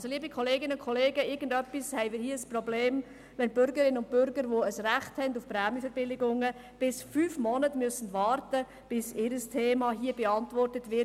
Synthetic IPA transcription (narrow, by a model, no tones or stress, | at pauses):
ɑlsoliːbikʰɔleːɡɪnʊnkʰɔleːɡəɪɾɡ̥ən̩dœpːishɛɪmɪːɾhiːəsprɔbleːm | vɛnb̥ʏɾɡəɾɪnəʊnt̚b̥ʏɾɡəɾʋoːəsræχthɛndufpɾɛːmjəfɛɾbɪlɪɡʊŋə | b̥ɪsfyːfmɔnətmyøsən̩dʋɑːɾtə | b̥ɪsɪɾəstʰeːmɑːɦiːəbɛɑntʋɔrtətʋɪ